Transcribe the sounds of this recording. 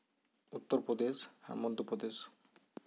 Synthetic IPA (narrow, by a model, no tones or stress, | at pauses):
ut̪ːoɾpɾod̪eʃa̰ɾmɔnd̪ʱupɾod̪es